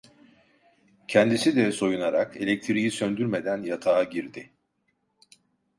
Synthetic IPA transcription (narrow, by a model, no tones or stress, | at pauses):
cʰɛnd̪isid̪ɛso̞junaɾakelʲɛc̚t̪ʰiɾijisønd̪yɾme̞d̪ænjat̪ʰaːɟiɾd̪ɪ